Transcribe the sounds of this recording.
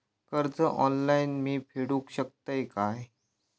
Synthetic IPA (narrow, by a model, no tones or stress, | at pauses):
kəɾd͡zəʔɔnlainmiːpʰeɽũːkɕək̚t̪əjkaj